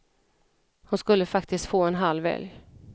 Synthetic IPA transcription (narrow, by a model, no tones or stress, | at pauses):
hʊnskɵlːəfak̚t̪ɪst̪foːɛnɦalːvɛ̰lj